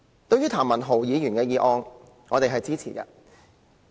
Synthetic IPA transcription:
t̪o˧wɥyː˥t̪ʰaː˨˩mɐ˨˩nɦo˨˩wjiː˨˧jyː˨˩nkɛː˧jiː˨˧ʔɔː˧ŋ | ŋɔː˨˧t̪e˨jɦɐ˨jt͡siː˥t͡sʰḭː˨˩kɐ̰˧

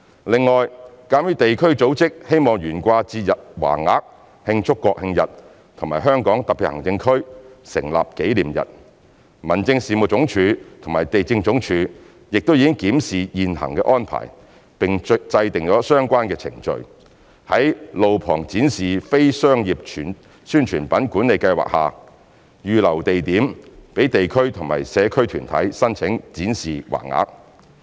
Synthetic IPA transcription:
lɪ˨ŋːɔː˨˩jkaː˨˥mjyː˨˧˥t̪e˨jkʰɵ˥ɥt͡so˨˥wt͡sɪ˥k̚he˥jmɔː˨˩ŋjyː˨˩nkʷaː˧t͡siː˧jɐ˨t̚wa̰ː˨˩ŋaː˨˥k̚ | hɪ˧ŋt͡sʰʊ˥kːɔː˧k̚hɪ˧ŋjɐ̰˨t̚ | t̪ʰʊ˨˩ŋmaː˨˩jɦœː˥ŋkɔː˨˥ŋt̪ɐ˨k̚pʰiː˨t̚hɐ˨˩ŋt͡sɪ˧ŋkʰɵ˥ɥsɪ̰˨˩ŋla̰ː˨p̚ke˨˥jliː˨˩mjɐ̰˨t̚ | mɐ˨˩nt͡sɪ˧ŋsiː˨mʊ˨t͡sʊ˨˥ŋt͡ʃʰyː˨˧t̪ʰʊ˨ŋmaː˨jt̪e˨jt͡sɪ˧ŋt͡sʊ˨˥ŋt͡ʃʰyː˨˥ | jɪ˨k̚t̪o˥wjiː˧kɪ˥ŋkiː˨˥msiː˨jiː˨nhɐ̰˨˩ŋkɛ̰ː˧ʔɔː˥npʰa̰ː˨˩j | pɪ˨ŋ˧t͡sɐ˧jt̪ɪ˨ŋt͡ʃɔː˨˥sœː˥ŋkʷaː˥nkɛː˧t͡sʰɪ̰˨˩ŋt͡ʃɵ̰˨ɥ | hɐ˨˥jlo˨wpʰɔː˨˩ŋt͡siː˨˥nsiː˨fe˥jsœː˥ŋjiː˨p̚t͡ʃʰː | syː˥nt͡ʃʰyː˨˩npɐ˨˥nkuː˨˥nle˨jkɐ˧jwa̰ː˨k̚haː˨ | jyː˨lɐ˨˩wt̪e˨jt̪iː˨˥mpe˨˥jt̪e˨jkʰɵ˥ɥt̪ʰʊ˨˩ŋma̰ː˨˩jsɛː˨˧kʰɵ˥ɥt̪ʰyː˨˩nt̪ʰɐ̰˨˥jsɐ˥nt͡sʰɪ˨˥ŋt͡siː˨˥nsiː˨wa̰ː˨˩ŋa̰ː˨˧k̚

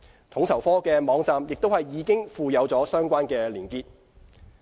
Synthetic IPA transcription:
t̪ʰʊ˨˥ŋt͡sʰɐ˨˩wfɔː˥kɛː˧mɔː˨˧ŋt͡saː˨˧mjɪ˨k̚t̪o˥whɐ˨jːiː˨˥kɪ˥ŋfuː˨jɐ˨˧wt͡sɔː˨˥sœː˥ŋkʷaː˥nkɛː˧liː˨˩nkiː˧t̚

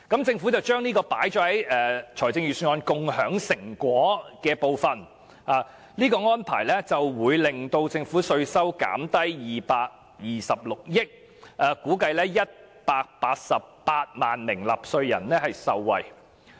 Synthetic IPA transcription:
kɐ˨˥mt͡sɪ˧ŋfu˨˥t͡sɐ˨˩wt͡ʃœː˥ŋniː˥kɔː˧paː˨˥jt͡ʃɔː˨˥hɐ˨˥jɛː˨˧t͡ʃʰɔː˨˩jt͡sɪ˧ŋjyː˨syː˧ŋɔː˧nkʊ˨ŋhœː˨˥ŋsɪ˨˩ŋkʷɔː˨˥kɛː˧po˨wfɐ˨n | aː˨ | niː˥kɔː˧ŋɔː˥npʰa̰ː˨˩jlɛː˥t͡sɐ˨wwuː˨˧jlɪ˨ŋt̪o˧wt͡sɪ˧ŋfuː˨˥sɵ˧ɥsɐ˥wka̰ː˨˥mt̪ɐ˥jjiː˨paː˧k̚ | jiː˨˩sɐ˨p̚lʊ˨k̚jɪ˥k̚ | ʔaː˨˩kuː˨˥kɐ˧jlɛː˥jɐ˥t̚ | paː˧k̚paː˧t̚sɐ˨ppaː˧t̚maː˨nmɪ˨˩ŋlɐ˨p̚sɵ˧ɥjɐ̰˨˩nlɛː˥hɐ˨jsɐ˨˧wːɐ̰˨j

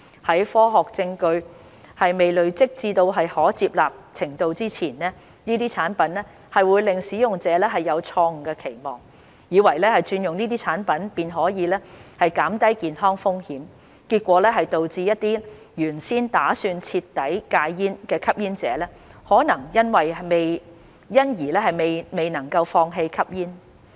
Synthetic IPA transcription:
hɐ˨˥jfɔː˥ɦɔː˨k̚t͡sɪ˧ŋkɵ˧ɥ | hɐ˨jme˨jlɵ˨ɥt͡sɪ˥k̚t͡siː˧t̪o˧wɦɐ˨jhɔː˨˥t͡siː˧p̚laː˨p̚t͡sʰɪ˨˩ŋt̪o˧wt͡siː˥t͡sʰiː˨˩nnɛː˥ | niː˥t̪iː˥t͡sʰaː˨˥npɐ˨˥nlɛː˥ | hɐ˨jwuː˨˧jlɪ˨ŋsiː˨˥jʊ˨ŋt͡sɛː˨˧˦lɛː˥ɦɐ˨jːɐ˨˧wt͡sʰɔː˧ŋ̩˨kɛː˧kʰe˨˩jmɔ̰ː˨ŋ | jiː˨˧wɐ˨˩jlɛː˥hɐ˨jt͡ʃyː˧njʊ˨ŋniː˥t̪iː˥t͡sʰaː˨˥npɐ˨˥npiː˨nɦɔː˨˥jiː˨˧lɛː˥hɐ˨jkaː˨˥mt̪ɐ˥jkiː˨nɦɔː˥ŋfʊ˥ŋhiː˨˥m | kiː˧t̚kʷɔː˨˥lɛː˥ɦɐ˨jt̪o˨wt͡siː˧jɐ˥t̚t̪iː˥ | jyː˨˩nsiː˥nt̪aː˨˥syː˧nt͡sʰiː˧t̪ːɐ˨˥jkaː˧jjiː˥nkɛː˧kʰɐ˥p̚jiː˥nt͡sɛː˨˦lɛː˥ | hɔː˨˥nɐ˨˩ŋjɐ˥nwɐ˨jme˨j | jɐ˥njiː˨˩lɛː˥ɦɐ˨jme˨jme˨jnɐ˨˩ŋkɐ˧wfɔː˧ŋɦe˧jkʰɐ˥p̚jiː˥n

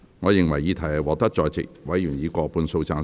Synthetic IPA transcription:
ŋɔː˨˧jɪ˨ŋwɐ˨˩jiː˨˧t̪ʰɐ˨˩ɐ˨˩wɔː˨˥t̪ɐ˥k̚t͡ʃɔː˧jt͡sɪ̰˨k̚wɐ˨˥jjyː˨˩njiː˨˧kɔː˧puː˧nso˧wt͡saː˧ŋ

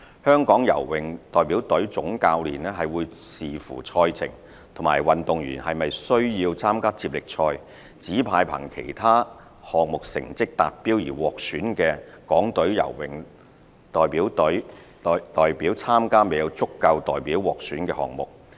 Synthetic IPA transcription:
hœː˥ŋkɔː˨˥ŋjɐ̰˨˩wːɪ˨ŋt̪ɔː˨jpiː˨˥wt̪ɵ˨˥ɥt͡sʊ˨˥ŋkaː˧wlḭː˨˩nɛː˥ɦɐ˨jwuː˨˧jsiː˨fṵː˨˩t͡ʃʰɔː˧jt͡sʰɪ̰˨˩ŋ | t̪ʰŋmaː˨˩jwɐ˨nt̪ʊ˨ŋjyː˨˩nhɐ˨jmɐ˨jsɵ˥ɥjiː˧wt͡sʰaː˥mkaː˥t͡siː˧p̚lɪ˨k̚t͡ʃʰɔː˧j | t͡siː˨˥pʰaː˧jpʰɐ̰˨˩ŋkʰḛ˨˩jt̪ʰaː˥ | hɔː˨ŋ̚mʊ˨k̚sɪ̰˨˩ŋt͡sɪ˥k̚t̪a̰ː˨t̚piː˥wjiː˨˩wɔː˨k̚syː˨˥nkɛː˧kɔː˨˥ŋt̪ɵ˨˥ɥjɐ̰˨˩wwɪ˨ŋ | t̪ɔː˨jpiː˨˥wt̪ɵ˨˥ɥ | t̪ɔː˨jpiː˨˥wt͡sʰaː˥mkaː˥me˨jɐ˨˧wt͡sʊ˥kːɐ˧wt̪ɔː˨jpiː˨˥wwɔː˨k̚syː˨˥nkɛː˧hɔ̰ː˨ŋ̚mʊ̰˨k̚

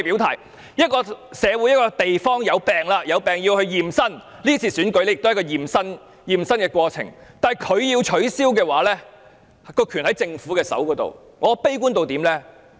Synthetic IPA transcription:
pi˨˥wt̪ʰa̰ː˨˩j | jɐ˥t̚kɔː˧sɛː˨˧wu˨˧˥jɐ˥t̚kɔː˧t̪e˨jfɔː˥ŋjɐ˨˧wpɛː˨ŋlaː˧jɐ˨˧wpɛː˨ŋjiː˧whɵ˧ɥjiː˨˩msɐ˥n | liː˥t͡sʰiː˧˩syː˨˥nkɥlɛ˥jɪk̚t̪ːkːɔː˧jiː˨˩msɐ˥n | jiː˨˩msɐ˥nkɛː˧kʷwɔː˧t͡sʰɪ̰˨˩ŋt̪aː˨˩jkʰɵ˨˧ɥjiː˧wt͡ʃʰɵ˨˥ɥsiː˥wkɛː˧waː˨˥lɛː˥ | kɔː˧kʰy˨˩nhɐ˨˥jt͡sɪ˧ŋfuː˨˥kɛː˧sɐ̰˨˥wkɔː˨˥t̪o̰˨w | ŋɔː˨˧pe˥jkuː˥nt̪o˨wt̪iː˨˥mlɛː˥

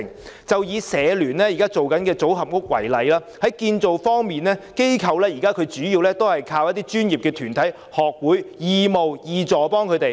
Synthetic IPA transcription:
ŋ | t͡sɐ˨wjiː˨˧sɛː˨˧lyː˨˩nlɛː˥ji˨kaː˥t͡so˨wkɐ˨˥nkɛː˧t͡so˨˥wɦɐ˨p̚kʊ˥k̚wɐ̰˨˩jlɐ˨˥jlaː˥hɐ˨˥jkiː˧nt͡so˨wfɔː˥ŋmiː˨nlɛː˥ke˥jkʰɐ˨˧wlɛː˥ji˨˩kaː˥kʰɵ˨˧ɥt͡ʃyː˨˥jiː˧wlɛː˥t̪o˥whɐ˨jkʰaː˧wjɐ˥t̪̚iː˥t͡ʃyː˥njiː˨p̚kɛː˧t̪ʰyː˨˩nt̪ʰɐ˨˥j | hɔː˨k̚wuː˨˥jjiː˨˧mo˨wjiː˨t͡sɔː˨˩pɔː˥ŋkʰɵ˨˧jt̪e˨

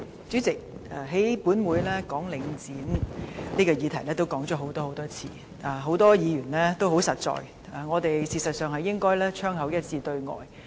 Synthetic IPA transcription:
t͡syː˨˥t͡sɪ˨k̚aː˨˧ɦe˨˥jpuː˨˥nwuː˨˧jlɛː˥kɔː˨˥ŋlɪ˨˧ŋt͡siː˨˥nniː˥kɔː˧jiː˨˧t̪ʰɐ˨˩jlɛː˥t̪o˥wkɔː˨˥ŋt͡ʃɔː˨˥ɦo˨˥wt̪ɔː˥ho˨˥wt̪ɔː˥t͡sʰḭː˧ | ʔaː˨˩ɦo˨˥wt̪ɔː˥jiː˨˧jyː˨˩nlɛː˥t̪wɦo˨˥wsɐ˨t̚t͡sɔ̰ː˨j | aː˨ŋɔː˨˧t̪e˨jsiː˨sɐ˨t̚sœː˨ŋɦɐ˨jːɪ˥ŋkɔː˥jlɛː˥t͡ʃʰœː˥ŋhɐ˨˥wjɐ˥t̚t͡sʰiː˧t̪ɵ˧ɥŋɔ̰ː˨j

